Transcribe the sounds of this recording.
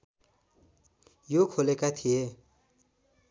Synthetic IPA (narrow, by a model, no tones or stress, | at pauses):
jokʰolekat̪ʰije